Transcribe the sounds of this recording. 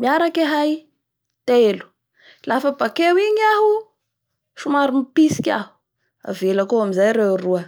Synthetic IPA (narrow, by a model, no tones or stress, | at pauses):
miaɾakaɦaj | t̪elu̥ | lafəbakewiɲaɦu | ʃumaɾumipisi̥kʲa̰ɦu̥ | a̰velakoamizajɾewruə